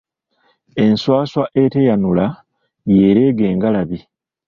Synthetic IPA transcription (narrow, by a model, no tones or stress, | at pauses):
e̞nswaːswaʔetejanula | jeːɾe̞ːɡe̞ːŋɡalaβi